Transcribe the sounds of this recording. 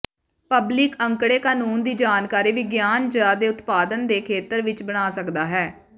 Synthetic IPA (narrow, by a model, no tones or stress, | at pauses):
pəblɪkəŋkɽeːkaːnuːnd̪iːd͡ʒaːnkaːɾiːʋɪɡjaːnd͡ʒəɾaːd̪eːʊt̪paːd̪ənd̪eːkʰeːt̪əɾʋɪt͡ʃbəɽ̃aːsəkd̪aːɦɛː